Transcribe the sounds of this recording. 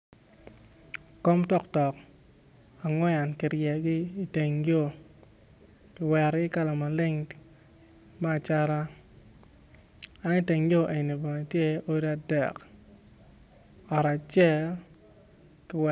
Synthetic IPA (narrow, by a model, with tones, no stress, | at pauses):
ko˦mtɔ˦ktɔ˨k | a˨ŋwɛ˦a˨nkɪ˨ɾjɛ˨ɡɪ˦i˦te˨ŋɡo˦˨ | kɪ˨wɛ˨ɾɪ˦ka˦la˨ma˨lɪ˦ŋ | maː˦˨t͡ʃa˦ɾa˦ | a˦ni˦te˨ŋɡjo˦ʔe˨ni˨bɛ˨ŋ˨tje˦o˦ɾa˨dɛ̰˨k | ɔ˨ɾa˨t͡ʃɛ˦l | kɪ˨wɛ